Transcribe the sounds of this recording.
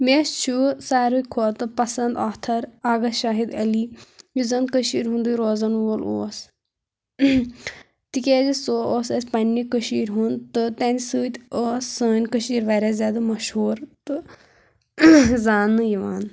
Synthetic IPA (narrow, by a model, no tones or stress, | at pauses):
mʲeːst͡ʃʰusaːɾɨkʰoːt̪ɨpɐsɐnd̪aːt̪ʰɐɾaːɡɐʃaːɦid̪ɐlimizɐnd̪̚kəʃiːɾɦũnd̪ujɾoːzɐnʋoːlo̰ːs | t̪ikʲeːzisoːoːsɐsʲpɐnʲːikəʃiːɾʲɦunt̪ɨt̪ɐnʲsɨːt̪ʲoːsːəːnʲkəʃiːɾʋaɾʲazʲaːd̪ɨmɐʃhuːɾt̪ɨ | zaːnɨjiʋaːn